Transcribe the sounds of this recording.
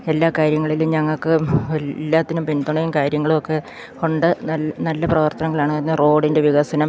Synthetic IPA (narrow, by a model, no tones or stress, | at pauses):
e̞lːaːkaːɾjɐŋːɐɭiluɲɐŋːɐɭkːɨelːaːt̪ːinumpind̪uɳɐjumkaːɾjɐŋːɐɭumokːe̞ | ko̞ɳɖɨnɐlːɐprɐʋɐrt̪ɐnɐŋːɐɭaːɳɨenːɐro̞ːɽinde̞ʋiɣɐsɐnɐm